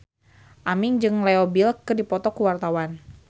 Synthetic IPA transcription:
ʔamiŋd͡ʒɨŋlɛobilkɨrdipɔt̪ɔkuwart̪awan

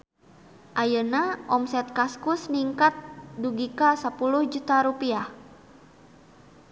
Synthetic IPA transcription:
ʔajənaʔɔmsɛt̪̚kaskusniŋkat̪̚duɡikasapuluhd͡ʒut̪aɾupiah

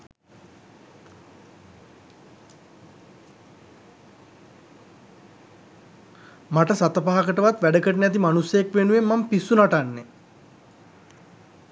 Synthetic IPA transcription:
maʈəsat̪əpaɦakəʈəʋat̪ʋæɖəkəʈənæt̪̬imanusjəjekʋenuʋemːampisːunaʈanːe

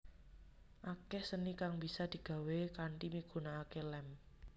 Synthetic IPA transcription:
ʔakehsənikaŋbi̤sad̪̥i̤ɡ̥a̤wekaɳʈimiɡ̥ṳnaːkelɛm

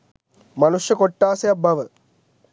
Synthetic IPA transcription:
mɐnuʂjɐkoʈːaːsejɐbʱɐʋɐ

